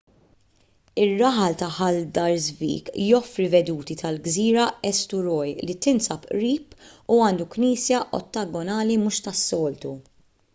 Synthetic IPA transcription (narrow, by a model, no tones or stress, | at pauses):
ɪrːɐħɐlt̪ɐħɐld̪ɐɾzvḭːkjɔfɾivɛd̪uːt̪it̪ʰɐlɡziːɾɐɛst̪ʊɾɔjlit̪ɪnsɐpʔɾiːpuɐːnd̪ukniːsjɐʔɔ̰t̪ːɐɡɔnɐːlimuʃt̪ɐsːɔːlt̪u